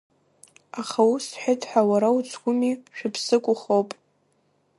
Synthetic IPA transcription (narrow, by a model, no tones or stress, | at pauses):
aχawusħʷɪtʰʼħʷawaɾawut͡sʰɡʷʊmiʃᶣʊpʰsɨkʷʼʊχowpʼ